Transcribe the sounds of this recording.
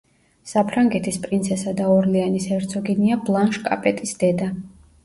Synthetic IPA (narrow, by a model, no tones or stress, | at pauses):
sapʰɾaŋɡɛt̪ʰispʼɾint̪sʰɛsad̪aɔɾlianisɛɾt̪sʰɔɡiniablˠanʃkʼa̰pʼɛt̪ʼisd̪̥ɛd̪a